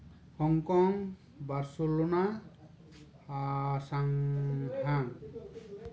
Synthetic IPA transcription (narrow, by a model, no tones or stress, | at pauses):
hɔŋkɔŋ | baɾsolona | asaŋhaŋ